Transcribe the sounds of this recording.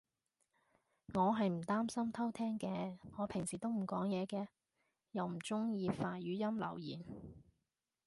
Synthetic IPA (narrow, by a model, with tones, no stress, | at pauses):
ŋɔː˨˧ɦɐ˨jm̩˨˩t̪aː˥msɐ˥mt̪ʰɐ˥wt̪ʰɛː˥ŋkɛː˧ŋɔː˨˧pʰɪ˨˩ŋsiː˨˩t̪o˥wm̩˨˩kɔː˨˥ŋjɛː˨˧kɛː˧ | jɐ˨wm̩˨˩t͡sʊ˥ŋjiː˧faː˧jyː˨˥jɐ˥mlɐ̰˨˩wjiː˨˩n